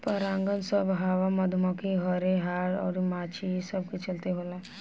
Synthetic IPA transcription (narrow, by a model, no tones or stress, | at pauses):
pəɾãːŋɡənsəbɦaːʋamɐd̪ʱmɔkiɦɔɾeɦaːɾɔ̰ːɾmaːt͡ʃʰisəb̚ket͡ʃəlt̪eɦoːla